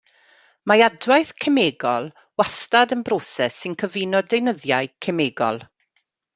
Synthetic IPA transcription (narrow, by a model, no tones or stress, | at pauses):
majadwajθkʰəmeːɡɔlˠ | wastadənbrɔsɛsɪnkʰəvinɔdejnəðjaɨkʰɛmeːɡɔ̰lˠ